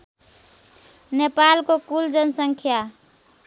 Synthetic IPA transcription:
nepalkokuld͡ʒənsəŋkʰja

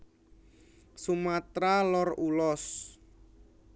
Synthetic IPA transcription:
sumat̪ɾalɔrulɔs

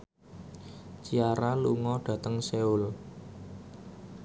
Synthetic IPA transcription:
t͡ʃiaɾaluŋɔɖ̥ä̤t̪əŋseʊl

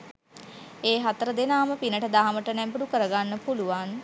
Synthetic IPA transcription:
eːɦat̪əɾəd̪enaːməpinəʈəd̪aɦaməʈənɛmbəɽukəɾəɡanːəpuluʋan

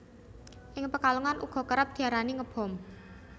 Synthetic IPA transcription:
ʔɪŋpəkaluŋanʔṵɡ̥ɔ̤kəɾap̚d̪̥i̤aɾaniŋəb̥ɔ̤m

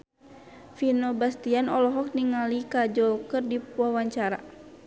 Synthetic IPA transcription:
finɔbast̪ianɔlɔɦɔk̚niŋalikad͡ʒɔkərdiwawaɲt͡ʃaɾa̰

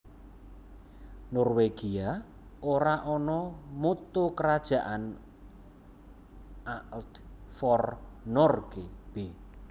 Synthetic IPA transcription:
nɔrweɡ̥ia | oɾaʔɔnɔmut̪ukəɾad̥ʒ̥a̤ʔan | ʔaʔtfɔrnɔrɡ̥eb̥e

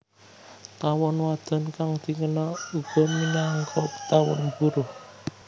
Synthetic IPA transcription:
t̪awɔnwad̪̥a̤nkaŋd̪̥i̤ŋənaub̥ɔ̤minaŋkʰɔpə̥t̪awɔnbuɾuh

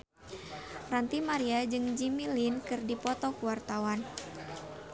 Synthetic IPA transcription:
rant̪imaɾiad͡ʒɨŋd͡ʒimilinkɨrdipɔt̪ɔkuwart̪awan

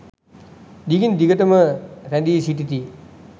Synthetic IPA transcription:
d̪iɡind̪iɡət̪əməɾɛnd̪iːsiʈit̪i

